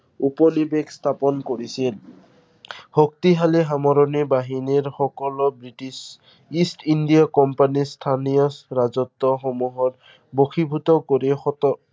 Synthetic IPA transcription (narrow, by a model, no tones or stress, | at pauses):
upɔlibeɡst̪ʰapɔnkoɹisil | hok̚t̪iɦalɛɦamɔɾɔnibaɦiniɹxɔkɔlɔbɹitis | istindijakɔmpanistʰanijɔsɹazɔt̪ːɔxomuɦɔt | boxʰibʱutɔkoɹixɔtɔ